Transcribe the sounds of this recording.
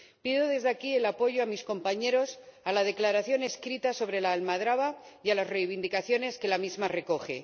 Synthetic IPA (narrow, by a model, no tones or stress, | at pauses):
piðo̞ðe̞zðakie̞lapo̞ʝoamisko̞mpaɲe̞ɾo̞salað̞e̞klaɾaθjo̞ne̞skɾit̪aso̞β̞ɾe̞laːlmaðɾaβajalazre̞jβ̞ind̪ikaθjo̞ne̞ske̞lamizmare̞ko̞xe̞̰